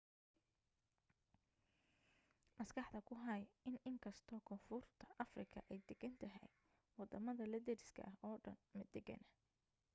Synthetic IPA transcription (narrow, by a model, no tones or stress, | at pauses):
mɐskʰɑħd̪ɐkʰʊɦɐjɪnɪŋkʰɐst̪ʰɔːkʰɔnfʊrt̪ʰɐʔɐfrɪkʰɐ̰ʔɛjd̪ɛɡɐnt̪ʰɐɦɛ̰j | wɑd̪ɐmɐðɐlɐd̪ɛɾɪskʰɐ̰ʔɐɦɔːɖɐ̰nmɐd̪ɛɡɐ̰nɐ